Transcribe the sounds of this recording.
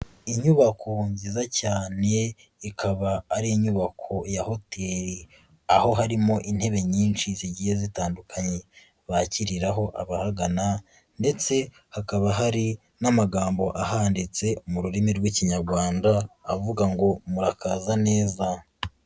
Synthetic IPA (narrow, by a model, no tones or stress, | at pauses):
iɲuβakʰo̞ɲziːzacaːne̞ | ikʰaβaːɾiiɲuβakʰo̞jaho̞teɾi | aho̞ɦaɾimo̞ʔin̥he̞βe̞ɲiːnʃiziɟihezitaːndukʰaɲe̞ | βaciɾiɾaɦo̞ʔaβahaɡana | nde̞t͡se̞ | hakaβaɦaɾi | namaɡaːmbo̞ʔahaːndit͡se̞muɾuɾimiɾɡwiciɲaɾɡwaːndaːvuɡaŋɡo̞muɾakaːzane̞ːza